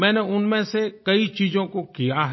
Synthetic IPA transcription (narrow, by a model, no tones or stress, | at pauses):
mɛ̃ːneʊnmẽsekɐit͡ʃiːzõkokijaɦ